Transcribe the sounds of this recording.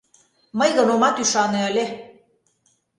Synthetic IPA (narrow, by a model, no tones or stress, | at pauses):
məjɣənomɑt̪yʃɑnĕə̆lʲe